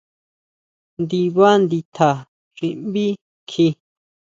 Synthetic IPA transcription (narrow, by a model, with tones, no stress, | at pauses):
nd̪i˧βa˦nd̪i˧t̪ʰa˨ | ʐ̥i˧mbi˦ | kʰi˧